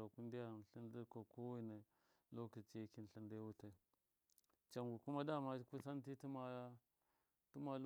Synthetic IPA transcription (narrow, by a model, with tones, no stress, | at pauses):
a˨ku˦n˦di˦ja˦˨ɬi˦ndi˦ko˨ko˦wi˦na˨ | lo˦ki˨t͡ʃi˦ki˦n˨ɬi˦nda˦wu˦ta˦˨ | t͡ʃa˨ŋɡu˨ku˦ma˦da˦˨ma˦ku˦sa˦n˦ti˦ti˦ma˦ | tu˦ma˨l